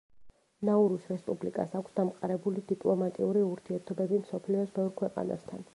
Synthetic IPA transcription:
nauɾusɾɛspʼublikʼa̰sakʰsd̪amqʼaɾɛbulid̪ipʼlˠɔmat̪ʼiuɾiuɾt̪ʰiɛɾt̪ʰɔbɛbimsɔpʰliɔsbɛvɾkʰwɛqʼa̰na̰st̪ʰan

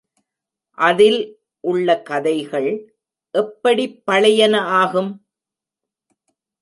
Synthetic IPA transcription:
ʔɐðɪl | ʔʊɭːɐkɐðɐɪɣɐɭ | ʔɛpːɐɽipːɐɭɐjɐnɐaːɣɯm

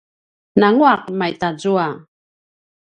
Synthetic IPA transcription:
naŋuaq̚majt̪ad͡zua

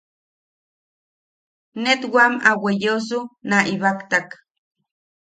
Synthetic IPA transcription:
net̪wamawejos̬unaʔiβakt̪ak

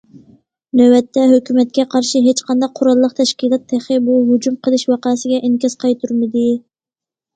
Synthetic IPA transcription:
nøwɛt̪ʰːɛɦøkʲymɛt̪̚kʲɛqʰɑɾʃiɦet͡ʃqʰɑnd̪ɑq̚qʰːʊɾɑlˠːəqt̪ʰɛʃkʲilˠɑt̪ʰːeχɨbuɦud͡ʒumqʰəlˠɨʃwɑqɑːsɪɡʲɛʔinkʲɛz̥qʰɑjt̪ʰuɾmɨd̪ɪ

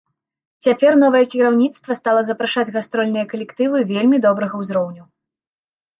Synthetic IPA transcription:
t͡sʲapʲɛrnɔvɐjɛkʲiɾawnʲit̪st̪vɐst̪alˠɐzɐpɾaʂad͡zʲɣast̪ɾɔlʲnɨjɐkɐlʲɛkt̪ɨvɨvʲelʲmʲid̪ɔbɾɐɣɐwzɾɔwnʲu

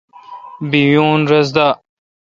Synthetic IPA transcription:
biwjuːnɾɐz̬d̪a

